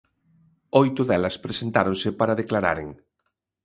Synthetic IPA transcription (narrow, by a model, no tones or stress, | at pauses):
ojt̪ʊðɛlɐspɾesent̪aɾõnsɪpaɾaðeklaɾa̰ɾḛŋ